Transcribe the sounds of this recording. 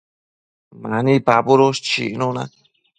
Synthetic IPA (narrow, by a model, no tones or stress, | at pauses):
manipapuɾost͡ʃḭnona̰